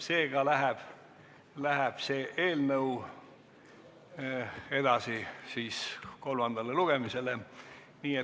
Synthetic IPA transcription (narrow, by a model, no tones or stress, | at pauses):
se̞ːɡ̥ɑlæɦæb̥ | læɦæb̥se̞ːʔeːlnɤw | e̞d̪ɑsisiːsko̞lmɑnd̪ɑleluɡ̥e̞mise̞le | niːe